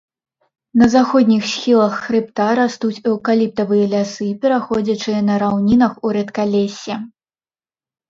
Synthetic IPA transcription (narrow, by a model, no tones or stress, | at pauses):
nɐzaxɔd̪ʲnʲixsʲxʲilˠɐxːɾɨpt̪aɾast̪ut͡sʲɛwkalʲip̚t̪ɐvɨjɐlʲasɨpʲɛɾaxɔd͡zʲɐt͡ʂɨjɐnɐɾawnʲinɐxuɾɛt̪kalʲɛsʲːɛ